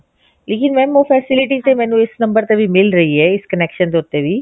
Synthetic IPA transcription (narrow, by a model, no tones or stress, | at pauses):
leːkɪnmɛ̃ːnopʰɛːsɪlɪʈit̪emɛ̃ːnũːɪsnɐ̃mbəɾt̪ebʱimɪlɾɐɦiɦeɪskɐneːkʃənt̪oːɾt̪ːeʋʱiː